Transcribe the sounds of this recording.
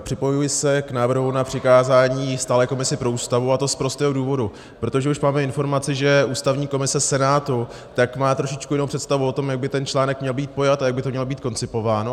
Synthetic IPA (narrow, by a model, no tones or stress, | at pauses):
pr̥ɪpo̞jujɪsɛknaːvr̩ɦunapr̝̥ɪkaːzaːɲiːst̪aːlɛːko̞mɪsɪpɾo̞uːst̪avuat̪o̞spɾo̞st̪ɛːɦoduːvo̞du | pɾo̞t̪o̞ʒɛuʃmaːmɛɪnfo̞ɾmat͡sɪʒɛuːst̪avɲiːko̞mɪsɛsɛnaːt̪u | t̪akmaːt̪ɾo̞ʃɪt͡ʃkujɪnowpr̥ɛt̪st̪avuo̞t̪o̞mjaɡ̚bɪt̪ɛnt͡ʃlaːnɛkmɲɛlbiːt̪̚po̞jat̪ajaɡbɪt̪omɲɛlbiːt̪̚ko̞nt͡sɪpo̞vaːno